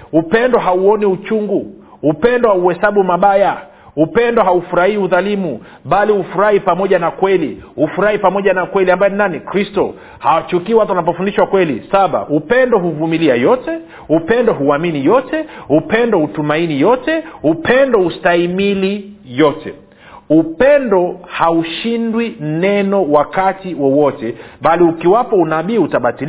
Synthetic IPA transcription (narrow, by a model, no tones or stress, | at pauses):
upɛndɔɦauɔniut͡ʃuŋɡu | upɛndɔwauhɛsaɓumaɓaja | upɛndɔɦaufuɾahiuðalimu | ɓalihufuɾahipamɔʄanakwɛlihufuɾahipamɔʄanakwɛliambajɔninanikɾistɔ̰ | hawat͡ʃukiːwat̬uwanap̬ɔfundiʃwakwɛlḭsaɓa̰ʔupɛndɔɦuvumiliajɔtɛ | upɛndɔɦuaminijɔtɛupɛndɔutumainijɔtɛupɛndɔustaimilijɔtʰɛ̰ | upɛndɔhauʃindwinɛnɔwakatiwɔwɔtɛɓaliukiwapɔunaɓiːutaɓatil